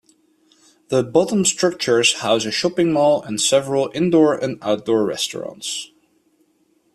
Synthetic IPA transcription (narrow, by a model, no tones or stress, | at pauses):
ðəbʌtə̃n̩stɹ̥ʌk̚t͡ʃə˞z̥haʊzɨʃɑpɪ̃ŋmɔlˠə̃nsɛvɹəlˠɪ̃ndɔɹʔɨ̃naʊt̚d̥ɔːɹɹɛ̰stə̰ɹɑ̰̃nts